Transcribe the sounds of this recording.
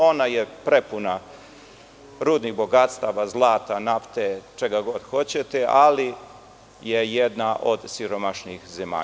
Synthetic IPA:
o̞najepɾepuna | ɾuːd̪nixbo̞ɡat̪st̪aʋazlˠaːt̪anaft̪et͡ʃe̞ɡaɡod̪xo̞t͡ɕet̪eʔali | jejed̪naʔo̞d̪siɾo̞maʃnixzema̰ː

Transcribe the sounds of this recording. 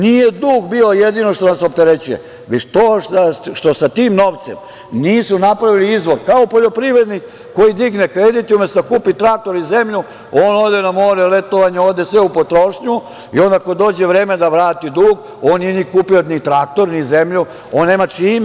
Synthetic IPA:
nijed̪uːɡbiːo̞jed̪ino̞ʃt̪onaso̞p̚t̪eɾet͡ɕujḛ | ʋet̪oːtaʃt̪o̞sat̪iːmno̞ʋt̪sem | niːsunapɾaʋiliizʋo̞ɾkaopoʎo̞pɾiʋɾed̪nik | ko̞jid̪iɡnekɾed̪it̪iumjest̪kuːpit̪ɾaːk̚t̪o̞ɾizemʎu | oːnod̪enamoːɾɛlet̪oʋaɲeoːd̪esʋeupot̪ɾo̞ʃɲu | iond̪akod̪o̞ːd͡ʑeʋɾeːmed̪aʋɾaːt̪id̪uːɡ | oːnnenikuːpiot̪nit̪ɾak̚t̪o̞ɾnizemʎu | oːnːeːmat͡ʂiːm

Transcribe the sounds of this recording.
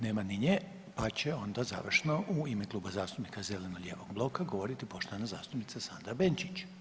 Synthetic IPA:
ne̞ːmaniɲe | pat͡ɕe̞o̞nd̪aza̰ʋr̩ʃeno̞ʔuimeklˠuːbazaːst̪upnikaze̞le̞noʎʲe̞ːʋo̞ɡblˠo̞kaɡo̞ʋo̞ɾit̪ipo̞ʃt̪oanaza̰ːst̪upnit̪sasand̪ɾabe̞nt͡ʃit͡ɕ

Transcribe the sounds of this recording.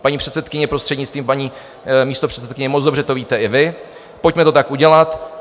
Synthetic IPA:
paɲiːpr̝̥ɛt̪sɛt̪kɪɲɛpɾost̪r̥ɛd̪ɲɪt͡st̪viːmpaɲiː | miːst̪o̞pr̝̥ɛt̪sɛt̪̚kɪɲɛmot͡sd͡zdo̞br̝ɛt̪o̞viːt̪ɛɪvɪ | pocmɛt̪o̞t̪akʔuɟɛlat̪

